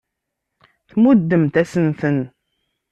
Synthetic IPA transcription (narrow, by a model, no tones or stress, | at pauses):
θmud̪ːəmt̪æsənθən